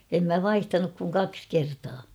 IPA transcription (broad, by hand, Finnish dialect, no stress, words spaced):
em mæ ʋɑihtɑnuk kuŋ kɑks kertɑː